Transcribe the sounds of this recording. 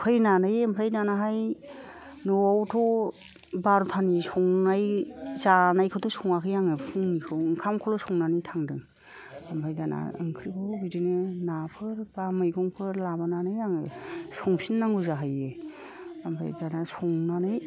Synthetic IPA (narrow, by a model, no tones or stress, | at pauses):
pʰajnanɯjmpʰɾajnanaɦaj | nɔawtʰɔ | baɾutʰanisɔŋnajzanajkʰɯtʰusɔŋakʰɯjaŋɯpʰuŋnikʰɯwɯŋkʰamkʰɔlɔsɔŋnanitʰaŋdɯŋ | amɾʰajdana̰ɯ̰ŋkʰɾikʰɯbidinɯnapʰɯɾbamɯjɡɔŋpʰɯɾlabananɯjaŋɯsɔŋpʰinːaŋɡuzaɦaje | ampʰɾa̰jdanasɔŋnanɯj